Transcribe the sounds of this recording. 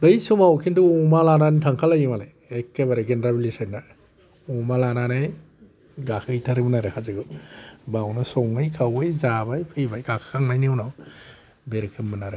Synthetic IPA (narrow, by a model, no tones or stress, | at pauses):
bɯjsumawkʰintuɔmalanantʰaŋkʰalajimale | ekːebaɾeɡenɾabilisajna | ɔmalananaj | ɡakʰɯjtʰaɾɯbɯnaɾɯhazɯɡɯbawnasɔŋɯjkʰawɯjzabajpʰɯjbajɡakʰɯkʰaŋmajniwnaw | beɾɯkʰɯmbɯnaɾe